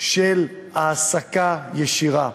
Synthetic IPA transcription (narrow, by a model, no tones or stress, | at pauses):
ʃel | aːsakajeʃiʁa